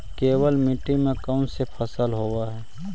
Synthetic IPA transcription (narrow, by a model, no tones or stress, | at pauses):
keːwəlmɪʈːimẽkaʊnsepʰəsəlɦoːwaɦɛː